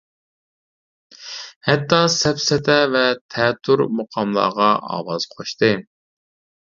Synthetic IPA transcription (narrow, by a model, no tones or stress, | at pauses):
hɛt̪ːɑsɛpsɛt̪ʰɛvɛt̪ʰɛt̪ʰːuɾmoqʰɑmlˠɑ̰ːʁɑʔɑ̰ːwɑz̥qʰoʃt̪ɨ